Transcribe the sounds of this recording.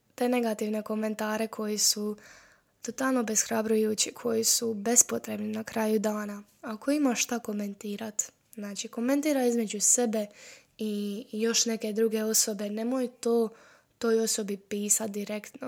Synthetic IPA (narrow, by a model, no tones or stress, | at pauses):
t̪e̞ːne̞ɡat̪iʋne̞ko̞me̞nt̪aːɾe̞kʰo̞jisu | t̪o̞t̪alˠno̞be̞sxɾabɾujuːt͡ɕikʰo̞jisube̞spo̞t̪ɾe̞bninakɾaːjud̪aːna | ako̞imaʃt̪ako̞me̞nt̪iːɾat̪ | znaːt͡ʃiko̞me̞nt̪iːɾaizme̞d͡ʒuse̞be̞ | ijo̞ʃne̞ke̞d̪ɾuɡe̞o̞so̞be̞ne̞mojut̪oː | t̪o̞ːjo̞so̞bipiːsat̪̚d̪iɾe̞kt̪no